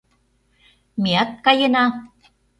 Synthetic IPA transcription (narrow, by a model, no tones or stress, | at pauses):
miɑt̪̚kɑjɤnɑ